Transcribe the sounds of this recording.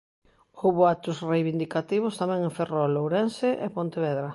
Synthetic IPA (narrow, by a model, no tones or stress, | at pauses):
uβoat̪ʊsrejβind̪ikat̪iβ̞ʊst̪amɛ̃ŋeɱferɔlowɾɛnseʔepont̪eβɛðɾɐ